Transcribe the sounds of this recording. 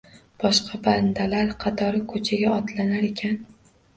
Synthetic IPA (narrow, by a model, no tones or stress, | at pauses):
b̥ɒʃqʰɑband̪alaɾqʰɑt̪ʰɒɾɪkʰɵt͡ʃʰaɡʲaɒt̪lanaɾe̞kʲʰan